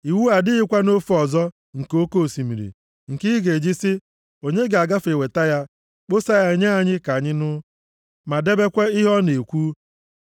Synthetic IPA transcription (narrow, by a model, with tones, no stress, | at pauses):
i˨wu˦a˨dɪ˦ɪ˦kʷa˦no˦fɔ˨zɔ˦ | ŋ̩˨ko˦ko˦˨si˨mi˨ɾḭ˨ | ŋ̩˨ki˦ɡe˨d͡ʒi˦sɪ˦ | o˨ɲe˦ɡe˨a˨ɡa˦fe˨we˨ta˦ja˦ | k͡po˦sa˦ja˦˨ɲa˦a˨ɲɪ˦ka˨ɲɪ˦nʊ˦ | ma˨de˦be˦kʷe˦ɪ˦ɦɔ˦ne˨kʷu˦